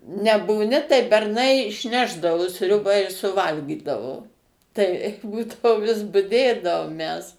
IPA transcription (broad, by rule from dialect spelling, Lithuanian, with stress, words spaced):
nʲɛbuːˈnʲɪ tɐɪ bʲɛrˈnɐɪ ɪʃʲˈnʲæːʒdɐʋoː ˈsʲrʲʊbɐ ɪ sʊˈʋɐlʲɡʲiːdɐʋoː ˈtɐɪ ˈbuːdɐʋoː ʋʲɪs bʊˈdʲeːdɐʋoːm mʲɛs